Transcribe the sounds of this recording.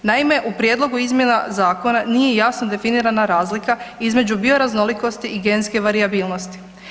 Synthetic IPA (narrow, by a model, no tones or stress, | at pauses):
naime̞ʔupɾjed̪lˠo̞ɡuizmje̞nazaːko̞nanije̞jasno̞d̪e̞finiːɾanaɾaːzlikaizme̞d͡ʑubio̞ɾazno̞liko̞st̪iʔiɡe̞nske̞ʋaɾiabiːlˠno̞st̪i̥